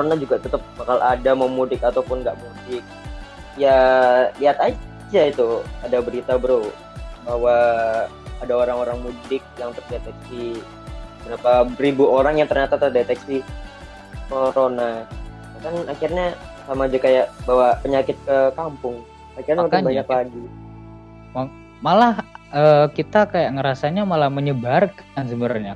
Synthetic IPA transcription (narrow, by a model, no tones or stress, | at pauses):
koonad͡ʒuɡat̪ət̪əp̚bakalʔadamamudɪkat̪awpʊnɡaʔmudɪk̚ | jaliat̪ad͡ʒait̪uadabəɾit̪abəɾu | baɦwaː | daoɾaŋoɾaŋmudɪk̚jaŋt̪ərdet̪ɛk̚si | mənaparibuoɾaŋjaŋt̪ərɲat̪at̪ərdet̪ɛksi | koɾona | nakanakɪrɲasamad͡ʒakajaʔbawapəɲakɪt̪̚kəkampʊŋ | akɪrɲaunt̪̚baɲɲaklaɡi | ma | malahəːkit̪akajaʔŋəɾasaɲamalahməɲəbarkansəbəɾarɲa